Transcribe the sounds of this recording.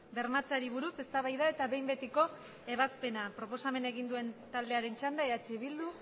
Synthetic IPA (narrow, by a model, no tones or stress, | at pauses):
be̞ɾmat͡saɾiβ̞uɾuse̞st̪aβajðae̞t̪aβe̞jmbe̞t̪iko̞ | e̞β̞aspe̞napɾo̞po̞same̞neɣ̞ind̪ue̞nt̪ald̪e̞aɾe̞nt͡ʃand̪aeat͡ʃeβild̪u